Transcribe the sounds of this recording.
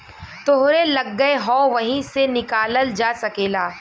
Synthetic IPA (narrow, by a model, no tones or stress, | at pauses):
t̪oɦɾelɐɡːəeɦɔ̃ːʋɐɦĩsenɪkaːləld͡ʒaːsɐkeːlaː